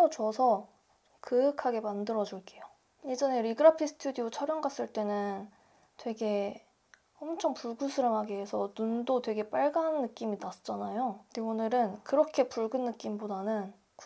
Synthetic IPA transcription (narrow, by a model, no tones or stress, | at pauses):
ot͡ɕʌsʰʌ | kɯɯkʰaɡe̞mandɯɾʌd͡ʑuɭk͈e̞jo | jed͡ʑʌne̞ɾiɡɯɾapʰisʰɯ̥tʰudiot͡ɕʰʌɾjʌŋɡas͈ɯɭt͈e̞nɯn | twe̞ɡe̞ | ʌmt͡ɕʰʌŋpuɡusʰɯɾɯmɦaɡeɦesʰʌnundotwe̞ɡe̞p͈aɭɡanːɯk͈iminas͈ʰɯ̥t͡ɕ͈anajondeonɯɾɯnkɯɾʌkʰe̞puɭɡɯnːɯk͈imbodanɯn | k